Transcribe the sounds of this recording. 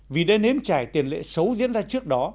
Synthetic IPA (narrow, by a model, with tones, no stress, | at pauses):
vi˨˩ɗə˧jne˧mt͡ɕaː˧˩jt̪i˨˩ənlḛ˧˨sə˨˦wzḭ˧˥nzaː˧t͡ɕɨ˦˥ək̚ɗɔ˨˦